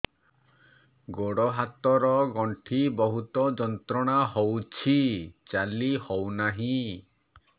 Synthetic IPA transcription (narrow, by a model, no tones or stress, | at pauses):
ɡoɽɔɦat̪ɔɾɔɡɔɳʈʰibɔɦut̪ɔd͡ʒɔnt̪ɾɔɽ̃aɦowt͡ʃʰit͡ʃalihɔwnaɦĩ